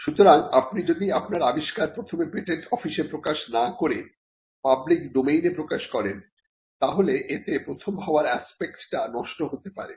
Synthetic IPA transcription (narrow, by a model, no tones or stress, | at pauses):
ʃut̪oɾaŋapnid͡ʑod̪iapnaɾabiʃkaɾpɾot̪ʰomebɾeʈeʈʰɔfiʃepɾokaʃnakoɾe | pablikɖomejnepɾokaʃkɔɾen | t̪aɦoleʔet̪epɾot̪ʰomɦaoaɾɛspekʈʈanɔʃʈoɦot̪epa̰ɾḛ